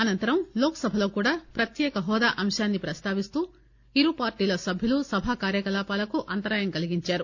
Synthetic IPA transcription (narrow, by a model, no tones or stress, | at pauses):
ɐnɐnt̪ɐɾɐmlɔːkɐ̥sɐbʱɐlo̞ːkuːɽaːpɾɐt̪jɛːkɐɦɔːd̪aːʔɐmʂaːnːipɾɐst̪aːʋist̪uː | iɾupaːɾʈiːlɐsɐbʱjulusɐbʱaːkaːɾjɐkɐlaːpaːlɐkuʔɐnt̪ɐɾaːjɐmkɐliɡiɲt͡ʃaːɾu